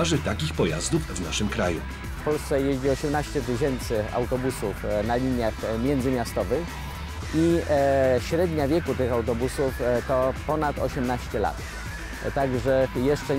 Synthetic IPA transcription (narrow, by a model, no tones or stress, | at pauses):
aʐɘt̪akʲixpɔjazd̪ufvnaʂɘmkɾajṵ | fpɔlst̪sɛjeʑd͡ʑiɔɕɛmnaɕt͡ɕɛt̪ɘɕɛnt̪sɘa̰wt̪ɔbusufnalʲiɲjaxmʲjɛnd̪zɘmʲjast̪ɔvɘx | i | ɕɾɛd̪ɲavʲjɛkut̪ɘxawt̪ɔbusuft̪ɔpɔnat̪ɔ̰ɕɛmnaɕt͡ɕɛla̰t̪ | t̪aɡʐɛjɛʂt͡ʂɛ